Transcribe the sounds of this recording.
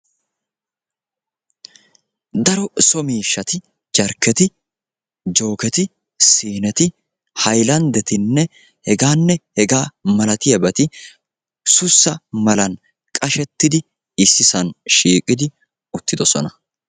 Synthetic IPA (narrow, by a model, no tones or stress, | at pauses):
d̪ɐɾɔsɔmiːʃːɐt̪ɪ | d͡ʒɐɾkːɛt̪ɪ | d͡ʒo̞ːkɛt̪ɪ | siːnɛt̪ɪ | hɐjlɐnd̪ɛt̪ɪnːɛ | hɛɡaːnːɛhɛɡaːmɐlɐt̪ɪjɐbɐt̪ɪ | sʊsːɐmɐlɐn | kʼɐʃɛt̪ːɪd̪ɪ | ɪsːɪsɐnʃiːkʼɪd̪ɪ | ʊt̪ːɪd̪ɔsɔnɐ